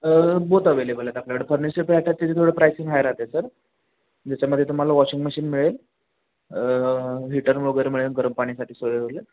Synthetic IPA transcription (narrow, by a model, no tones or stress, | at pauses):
bot̪aʋelebəlat̪akljaʋəɽepʰəɾnisepaʈʰjat̪ːit̪ʰet̪ʰoɽepɾajsiŋɡɦajəɾat̪esəɾ | d͡ʑat͡ɕaməd̪ʱːjet̪um̤alaʋɔɕiŋɡməɕiːnmiɭel | ɦiʈəɾɭoɡəɾmiɭenɡəɾəmpaɽ̃isaʈʰiːsoɭeole